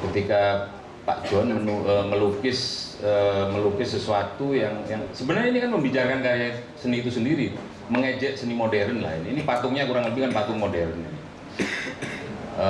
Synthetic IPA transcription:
kət̪ika | pa̰ʔd͡ʒɔnmənuəməlukɪsəməlukɪsːəsuat̪ujaŋjaŋsəbənarɲainikanməmbit͡ʃarkankajɛsəniːt̪usəndiɾi | məŋed͡ʒɛʔsənimodɛɾənla̰ɪninipat̪ʊŋɲakuɾaŋləbɪhkanpat̪ʊŋmodɛɾənin | ə

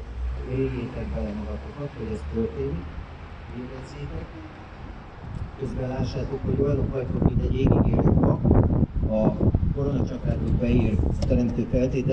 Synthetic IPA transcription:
veːɡjeːt̪ɛɡbɛlɛmɒɡɒt̪okɒt̪ho̞ɟɛst̪ølt̪eːnik | veːɾɛnzeːt̪ɛk | køzbɛlaːʃːaːt̪oːkho̞ɟojɒlokɒjt̪okmit̪ɛɟeːɡiɡḛːlut̪bɒ | ɒko̞ɾont͡ʃɒkaːt̪oɡbɛiːrt̪ɛɾɛmt̪øːfɛlt̪eːt̪ɛ

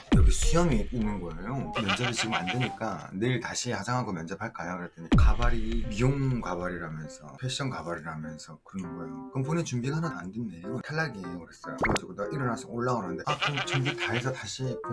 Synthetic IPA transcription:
iɾʌkʰesʰujʌmiːnːɯnɡʌejomjʌnd͡ʑʌdit͡ɕiɡɯma̰ndweɲik͈aneiɭtaɕʰihasʰaŋɦaɡomjʌnd͡ʑepʰaɭk͈ajokɯɾet͈eɲikabaɾimioŋkabaɾiɾamjʌnsʰʌ̰pʰeɕ͈ʌnkabaɾiɾamjʌnsʰʌkɯɾʌnɯnɡʌjokɯnponit͡ɕumbiɡaɯnɯna̰ndwenːejotʰaɭːaɡikɯɾes͈ʌjokɯɾʌɡad͡ʑiɡodʌʔiɾɯnas͈ʰʌŋoɭːaanɯnde̞akɯnt͡ɕumbitaesʰʌtaɕʰik

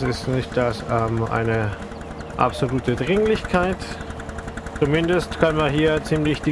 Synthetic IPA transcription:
sɪstnɪçt̚d̥asɛːmʔa̰ɪnə | ʔa̰pz̥oluːtədʁɪŋlɪçkʰaɪt | t͡sumɪndəstkʰanmanɦiːɐt͡siːmlɪçd̥i

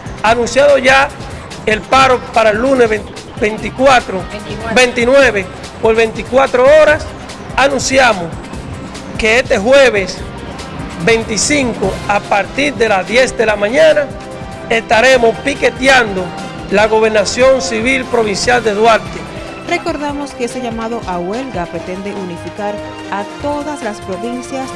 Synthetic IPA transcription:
anũnsjaðo̞ʝa | elpaɾo̞paɾaelːune | bent̪ikwat̪ɾobe̞nt̪inwe̞βe | po̞ɾβe̞nt̪ikwat̪ɾooɾas | anũnsjamos | ke̞est̪e̞ɦwe̞βes | be̞nt̪isiŋkoapaɾt̪iɾd̪e̞lasðje̞sd̪e̞lamãɲãna | est̪aɾe̞mospike̞t̪jand̪o | laɣo̞βe̞ɾnasjo̞nsiβilpɾo̞β̞insjald̪eðwaɾt̪e | re̞ko̞ɾðamo̞skeeseʝamaðo̞ʔawe̞lɣapɾet̪e̞nd̪e̞ʔunifikaɾ | at̪o̞ðaslaspɾoβinsjas

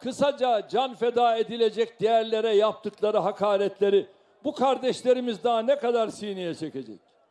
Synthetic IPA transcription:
kʰɯsad͡ʒad͡ʒanfed̪aːed̪ilʲe̞d͡ʒɛc̚d̪ijæɾlʲe̞ɾɛjap̚t̪ʰɯklˠaɾɯɦakʰaːɾɛt̪lʲe̞ɾi | bukʰaɾd̪ɛʃlʲe̞ɾimizd̪aanɛkad̪aɾsijnijɛt͡ʃʰece̞d͡ʒɛ̰c̚

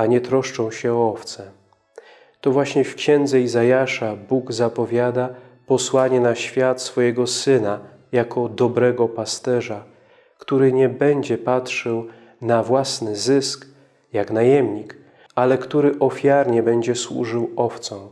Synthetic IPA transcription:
aɲɛt̪ɾɔʂt͡ʂɔ̃w̃ɕɛɔɔft̪sɛ | t̪ɔvwaɕɲɛfkɕɛ̃nd̪zɛizajaʂabuɡzapɔvʲjad̪a | pɔswaɲɛnaɕfʲjat̪sfɔjɛɡɔsɘna | jakʰɔd̪ɔbɾɛɡɔpast̪ɛʐa | kt̪uɾɘɲɛbɛɲd͡ʑɛpat̪ʂɛw | navwasnɘzɘsk | jaknajɛmɲik | alɛkt̪uɾɘʔɔfʲjaɾɲɛbɛɲd͡ʑɛswṵʐɘwɔft̪sɔ̃w̃

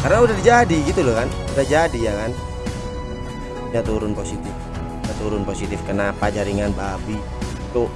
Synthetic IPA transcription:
karnaudahdd͡ʒadiɡit̪ulakanudahd͡ʒadijakan | ɲat̪uɾʊnposit̪ɪf | ɲat̪uɾʊnposit̪ɪfkənapad͡ʒaɾiŋanbabi | t̪o

